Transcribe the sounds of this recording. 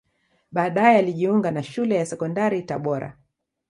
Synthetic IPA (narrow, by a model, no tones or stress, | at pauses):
ɓaːɗajɛaliʄiuŋɡanaʃulɛjasɛkɔndaɾitaɓɔɾa̰